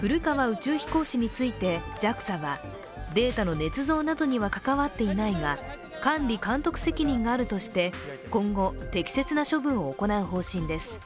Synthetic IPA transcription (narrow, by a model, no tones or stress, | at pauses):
ɸɯ̟ɾɯ̟kaβaɯ̟t͡ɕɨːçʲi̥ko̞ːɕiɲ̟it͡sɨit̪e̞d͡ʑakɯ̟̥saβa | d̪e̞ːt̪ano̞ne̞t͡sɨzo̞ːnad̪o̞ɲ̟iβakakaβat̪ːe̞inaiɡa | kãnɾʲikãnt̪o̞kɯ̟̥se̞kʲiɲ̟ĩŋɡaːɾɯ̟t̪o̞ɕi̥t̪e̞kõ̞ŋɡo̞t̪e̞kʲi̥se̞t͡sɨnaɕo̞bɯ̟̃ɰ̃o̞ːko̞naɯ̟ɦo̞ːɕĩnd̪e̞sɨ̥